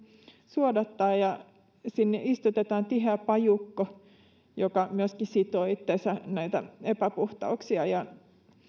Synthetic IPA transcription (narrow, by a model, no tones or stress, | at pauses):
suodɑt̪ːɑːjjɑ | sinːḛʔist̪ut̪et̪ɑːnt̪ihæˑpɑjukːo | jokɑmyøskisit̪oːit̪ːeˑsænæit̪æ̰epæpuht̪ɑ̰uksiɑjɑ